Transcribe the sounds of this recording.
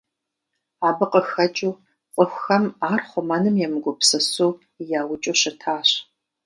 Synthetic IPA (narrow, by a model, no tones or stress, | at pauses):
aːbɨqʼəxɐt͡ʃʼuː | qʷʼʊxʷɐmaːrχʷʊmɐnɨmjɛmɨɡʷʊpsɨsuː | jaːwʊt͡ʃʼuɕɪtʰaːɕ